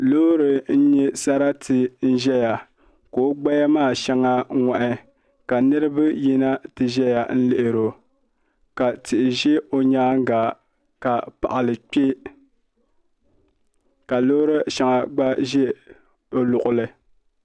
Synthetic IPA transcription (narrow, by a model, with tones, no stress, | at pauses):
lo˦ɾɨ˨n̩˦ɲɛ˦sa˦ɾa˦tɨ˨n̩˦ʒɛ˦ja˨ | ko˨˦ɡ͡ba˦ja˦maː˦˨ʃɛ˦ŋa˦ŋa˨ʔɪ˦ | ka˨nɨ˦ɾɨ˦bɨ˦ji˦na˦tɨ˨ʒɛ˦ja˨n̩˦lɪ˨ʔɪ˨ɾo˨ | ka˨tɪ˨ʔɪ˨ʒɛ˦o˨ɲaː˦ŋ˦ɡa˨ | ka˨pa̰˨ʔa˨lɨ˨k͡pʲe˦ | ka˨lo˦ɾɨ˦ʃa˦ŋa˨ɡ͡ba˦ʒɛ˦ | o˦lʊ˨ʔʊ˨lɨ˨